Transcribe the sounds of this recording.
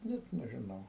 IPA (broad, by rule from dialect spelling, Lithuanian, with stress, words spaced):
ˈnʲɛt nʲɛʒʲɪˈnɐʊ